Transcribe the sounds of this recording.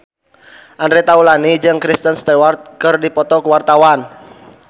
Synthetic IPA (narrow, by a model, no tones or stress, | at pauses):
ʔandɾet̪aulanid͡ʒɨŋkɾist̪ənst̪ewart̪̚kɨrdipɔt̪ɔkuwart̪awan